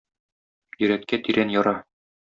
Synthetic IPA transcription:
jɵ̆ɾæt̪kæt̪iɾʔænjɒɾɑ

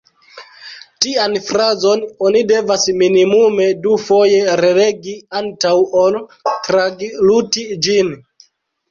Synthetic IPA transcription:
tianfɾazo̞no̞nide̞vasminimume̞dufo̞je̞ɾele̞ɡiantawoltɾaɡlutid͡ʒin

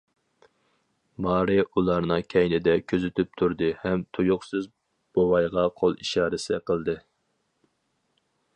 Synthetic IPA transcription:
mɑːɾɨʔulˠɑɾnɨkʲʰɛjnɪd̪ɛkʲʰøzɪt̪ʰyp̚t̪ʰuɾd̪ɨhɛmt̪ʰujʊχsɨz | b̥owɑjʁɑqʰolˠiʃɑːɾɪsɪqʰəlˠd̪ɨ

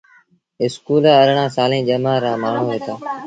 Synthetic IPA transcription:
ɪskuːlaːəɾɳãːsaːlẽːd͡ʒəmaːɾãːmaːɳ̤oːɦeːt̪aː

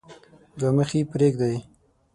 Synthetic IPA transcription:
ɡaməxipɾeɡd̪aj

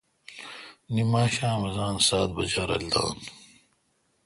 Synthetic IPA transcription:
nimaːɕãːmɐzaːnsaːt̪̚bɐ̰d͡ʑaːɾɐ̰ld̪a̰ːn

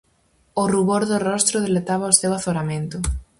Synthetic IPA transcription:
ʊruβoɾðʊrɔst̪ɾʊðelet̪aβ̞aosewaθoɾamẽnt̪ʊ

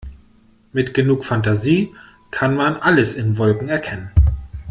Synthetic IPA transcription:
mɪtɡ̥ənuːkfantaziː | kʰanmanʔaləsɪnvɔlkŋ̩ɛɐkʰɛnən

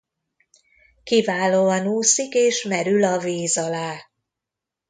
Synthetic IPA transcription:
kivaːloːɒnuːsikeːʃmɛɾylɒveːzɒlaː

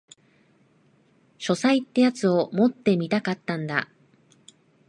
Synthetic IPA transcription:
ɕo̞sait̪ːe̞jat͡sɨo̞mo̞t̪ːe̞mʲit̪akat̪ːãnd̪a̰

